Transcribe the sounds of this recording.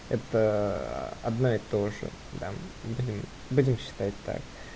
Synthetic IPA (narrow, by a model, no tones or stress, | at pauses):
ɛt̪ə̰ | ɐ̰d̪noɪt̪oʐɨ̰ | d̪abudʲɪm | budʲɪmɕːɪ̥t̪atʲt̪a̰k̚